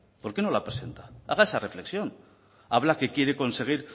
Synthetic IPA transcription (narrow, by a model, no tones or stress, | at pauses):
po̞ɾke̞no̞lapɾese̞nt̪ḁa̰ɣ̞ae̞sare̞fle̞ksjo̞n | aβ̞lake̞kje̞ɾe̞ko̞nse̞ɣ̞iɾ